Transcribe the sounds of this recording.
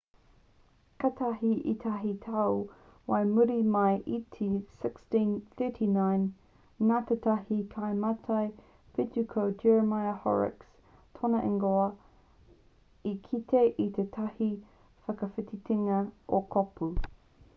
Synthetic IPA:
kɐt̪ʰɐɦiʔḭt̪ʰɐɦitʰɐw | wɐjmuɾimɐjʔitʰisɪkstĩnθɜːˑtʰinãjnː | aːt̪ʰet̪ʰɐhikʰajmɐtʰɐj | fɪtukʰod͡ʒɛɹəmajɐhɔ̰ɹɪ̰ks | tʰonɐʔɪŋɡoɐ | ikʰit̪ʰeʔit̪ʰet̪ʰɐhi | fɐkɐfɪtitʰiŋɐʔokʰopʰu

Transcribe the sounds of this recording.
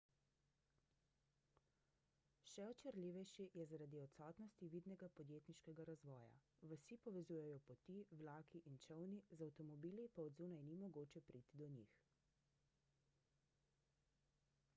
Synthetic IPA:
ʃɛɔt͡ʃəɾliʋɛjʃijɛzaɾad̪iɔt̪sɔːt̪nɔst̪iʋiːd̪nɛɡapɔd̪jeːt̪niʃkɛɡaɾazʋɔːja̰ʋəsipɔʋɛzuːjɛjɔpɔt̪iwlaːkiʔint͡ʃəwnizawt̪ɔmɔbiːlipaɔd̪zuːnajnimɔɡoːt͡ʃɛpɾʔiːt̪id̪ɔnḭx

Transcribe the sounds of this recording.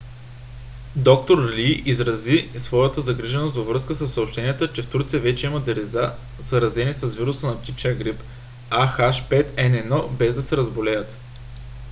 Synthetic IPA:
d̪ɔk̚t̪oɾlʲiʔizɾɐzisvɔjət̪əzɐɡɾiʒɛnost̪vɐvɾɤskəsəsːɐopʃt̪ɛniət̪ət͡ʃɛft̪uɾt̪sijəvɛt͡ʃɛiməd̪ɛɾiza | zɐɾɐzɛnisɐzviɾusənɐpt̪it͡ʃəɡɾip | axaʃpɛt̪ɛnɛnɔbɛzd̪ɐsɛɾɐzbolɛjət̪

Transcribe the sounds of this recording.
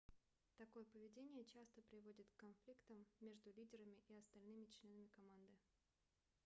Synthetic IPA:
t̪ɐko̞jəpəvʲɪdʲenʲɪjət͡ɕast̪əpɾʲɪvodʲɪt̪kːɐnflʲikt̪əmːʲe̞ʐd̪ʊlʲidʲɪɾəmʲɪʔiɐst̪ɐlʲnɨmʲɪt͡ɕlʲe̞nəmʲɪkɐmand̪ɨ

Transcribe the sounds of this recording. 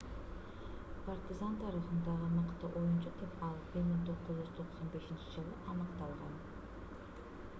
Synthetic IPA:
part̪ʲɪzant̪ʰɑɾɯχɯnd̪ɑʁənɯqt̪ɯʔo̞junt͡ʃad̪epɑlˠbiɾmiŋt̪ʰo̞qːuzyz̥t̪ʰo̞qso̞nbe̞ʃint͡ʃid͡ʒɯlˠɯʔɑnɯqt̪ɑlˠʁɑn

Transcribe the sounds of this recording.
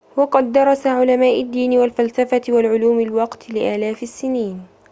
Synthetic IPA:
wɑqɑd̪ːɑɾˤɑsaʕʊlamaːʔɪd̪ːiːnɪwalfalsafat̪ɪwalʕʊluːmɪlwɑqt̪lɪʔaːlaːfɪsːɪniːn

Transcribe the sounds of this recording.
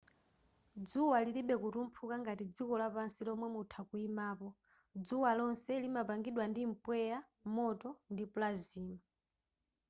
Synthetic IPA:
d͡zuwaliliɓɛkuɾum̩pʰukaŋɡatid͡zikɔlapansilɔmwɛmutʰakuimaːpɔ | d͡zuwalɔnsɛlimapaŋɡiɗwandim̩pwɛja | mɔtɔndipulaziːma

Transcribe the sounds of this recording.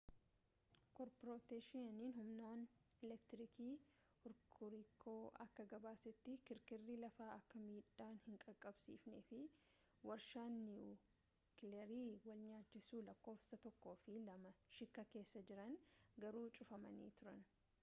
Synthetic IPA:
kɔɾpɾoːt̪eːʃɪɐniːnhʊmnaːn | ɛlɛkt̪ɾɪkiː | hʊɾkʰʊɾikʰo̞ːʔɐ̰kːɐɡɐbaːsɛt̪ːɪkɪɾkɪrːiːlɐfaːʔɐkːɐmiːᶑaːnhɪŋkʼɐkʼːɐbsḭːfneːfɪ | wɐɾʃaːnːɪ | kɪlɛɾiːwɐlɲaːt͡ʃːɪsuːlɐkːo̞ːfsɐt̪ɔkːo̞ːfɪlɐmɐʃɪkːɐke̞ːsːɐd͡ʒɪɾɐnɡɐɾuːt͡ʃʼʊfɐmɐ̰nḭːt̪ʊɾɐn

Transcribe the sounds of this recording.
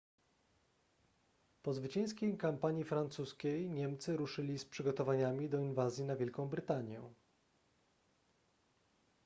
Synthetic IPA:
pɔzvɘt͡ɕɛ̃j̃skʲejkampaɲjifɾant̪suskʲejɲɛmt̪sɘɾuʂɘlʲispʂɘɡɔt̪ɔvaɲamʲid̪ɔinvazʲjinavʲjɛlkɔ̃w̃bɾɘt̪aɲjɛ̰

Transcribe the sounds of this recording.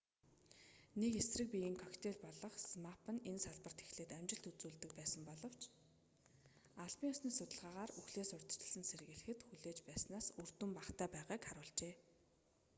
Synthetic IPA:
nekesrɘ̆k̚pʲiiːŋkʰɔkt̪ʰeɮpɔɮɞ̆χsmapʰə̆nensaɮpə̆r̥t̪ʰe̥xɮeːt̪æmʲt͡ɕɪ̆ɬt̪ut͡suːɮt̪ɘ̆k̚pæːsə̆mpɔɮɞ̆w̥t͡ɕ | aɮpiŋʊsniːsʊt̪ə̆ɮʁaːʁaːruxɮeːsʊr̥ʲt̪ə̥̆t͡ɕə̥̆ɮsə̆nseɾ̆ɣɘ̆ɮɘ̆xɘ̆t̪xuɮeːt͡ɕpæːsnaːsur̥t̪ɘ̆mpaχt̪ʰæːpæːʁaːkχaɾʊːɮt͡ɕeː

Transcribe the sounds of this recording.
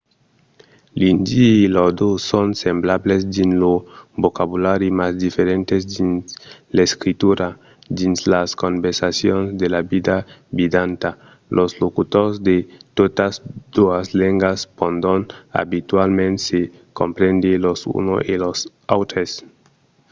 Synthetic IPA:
lindiilod̪osonsemblables̬dinlobokabulaɾimasd̪ifeɾent̪esdinleskɾit̪uɾa | dinslaskonbeɾsasjonsd̪elabid̪abidanta | lʔoslokutosd̪et̪otasd̪̥uasleŋɡaspond̪ona̰bitualmense | ko̰mpɾend̪elosṵno̰ʔelos | awt̪ɾes

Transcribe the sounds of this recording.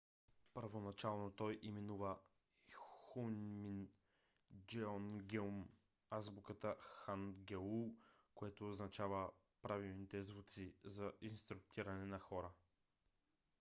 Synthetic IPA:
pəɾvonɐt͡ʃalˠnot̪ɔjʔimɛnuvə | xunmin | d͡ʒɛɔnɡɛm | azbukət̪əxanɡɛukoɛt̪oːznɐt͡ʃavə | pɾavilˠnit̪ɛzvut̪sizɐʔinst̪ɾʊk̚t̪iɾɐnɛnɐxɔɾə

